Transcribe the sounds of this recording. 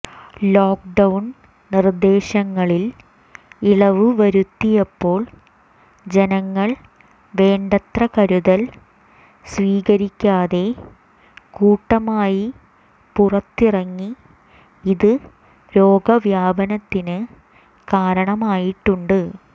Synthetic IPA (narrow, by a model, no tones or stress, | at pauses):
lo̞ːkɖɐwn | nird̪e̞ːɕɐŋːɐɭil | iɭɐʋɨʋɐɾut̪ːijɐpːo̞ːɭ | d͡ʑe̞nɐŋːɐɭ | ʋe̞ːɳɖɐt̪rɐkɐɾuðɐl | sʋiːɣɐɾikʲːaːðe̞ | kuːʈːɐmaːji | purɐt̪ːirɐŋːi | iðɨ | ɾo̞ːɡɐʋjaːbɐnɐt̪ːinɨ | kaːɾɐɳɐmaːjiʈːuɳɖɨ